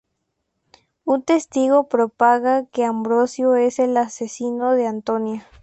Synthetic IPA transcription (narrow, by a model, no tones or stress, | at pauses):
unt̪est̪iɣo̞pɾopaɣakeambɾosjoese̞lasesinoðeant̪onja